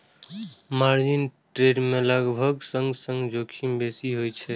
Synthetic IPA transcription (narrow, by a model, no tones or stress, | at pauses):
maɾd͡ʒinʈɾeɖmeləɡbʱəɡsə̃ŋɡsəŋɡd͡ʒokʃimbesiɦojt͡ʃʰɛ